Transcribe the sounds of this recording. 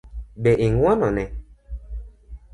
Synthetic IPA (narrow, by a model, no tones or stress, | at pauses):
bɛʔiŋwɔnɔnɛ